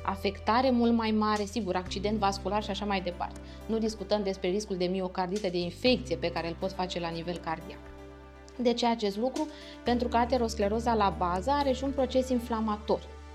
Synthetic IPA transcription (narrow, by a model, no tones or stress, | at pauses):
a̰fe̞kt̪aɾe̞mult̪majmaɾe̞siɡuɾakt͡ʃid̪e̞nt̪vaskularʃiaʃamajd̪e̞pa̰rt̪e̞ | nud̪iskut̪əmd̪e̞spɾe̞ɾiskuld̪e̞mio̞kard̪it̪əd̪e̞infe̞k̚t̪sije̞pe̞kaɾe̞lpo̞t̪fat͡ʃe̞lanive̞lkard̪ia̰k | d̪et͡ʃeat͡ʃe̞st̪lukɾu | pe̞nt̪ɾukəat̪eɾo̞skle̞ɾo̞zalabazəaɾe̞ʃiunpɾo̞t͡ʃe̞sinflamat̪o̞r